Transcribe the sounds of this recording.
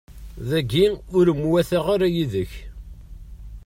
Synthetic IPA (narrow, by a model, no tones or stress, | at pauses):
ðæɡiʊɾəmːwæθaʁaɾæjiðəç